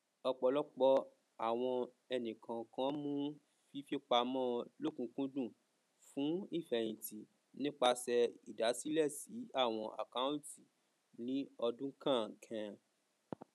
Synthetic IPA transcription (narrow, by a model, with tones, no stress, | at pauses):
ɔ˧k͡pɔ˧lɔ˦k͡pɔ˧ | a˦˨w̃ɔ̃˧ | ɛ˧nĩ˨kʰã˨kã˨˦mũ˦ | fi˦fi˦k͡pa˧mɔ̃˦lo˦kũ˧˦kũ˦dũ˦˨ | fũ˨˦i˦˨fɛ˨j̃ĩ˨ti˨ | nĩ˦k͡pa˧sɛ˧i˨da˨˦si˦lɛ˦˨si˨˦a˦˨w̃ɔ̃˧ʔa̰˨ka˦ũ˦˨ti˨ | nĩ˦ɔ˧dũ˦kʰã˦˨kʰɛ̃˧